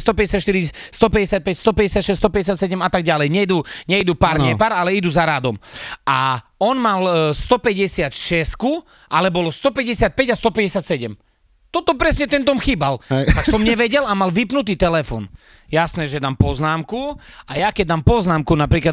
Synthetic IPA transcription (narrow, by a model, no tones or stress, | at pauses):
st̪ɔpɛɟɛsɪat̪ʃt̪iɾist̪ɔpɛɟɛsɪat̪̚pɛcst̪ɔpɛɟɛsɪat̪ʃɛst̪ɔpɛɟɛsɪat̪sɛɟɛmat̪aɡɟalɛjɲɛd̪uɲɛid̪upaɾɲɛpaːɾalɛid̪uzaɾad̪ɔmʔaɔnmalst̪ɔpɛɟɛsɪat̪ʃɛsku | ʔalɛbɔlɔst̪ɔpɛɟɛsɪat̪̚pɛɟast̪ɔpɛɟɛsɪat̪sɛɟɛm | t̪ɔt̪ɔpɾɛsɲɛt̪ɛnt̪ɔmxiːbalt̪aksɔmɲɛʋɛɟɛlamalʋipnut̪̬iːt̪ɛlɛfɔ̰ːn | jasnɛːʒɛd̪aːmpɔznaːmkuajakɛɟ̚d̪aːmpɔznaːmkunapɾiːkla